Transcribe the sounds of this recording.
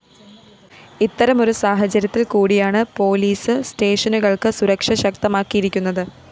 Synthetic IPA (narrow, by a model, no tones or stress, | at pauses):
it̪ːɐɾɐmo̞ɾusaːɦɐt͡ɕːɐɾjɐt̪ːilkuːɽijaːɳɨpo̞ːliːsɨste̞ːʂɐnuɣɐɭkɨsuɾɐkʂɐɕɐk̚t̪ɐmaːkːijiɾikʲːunːɐðɨ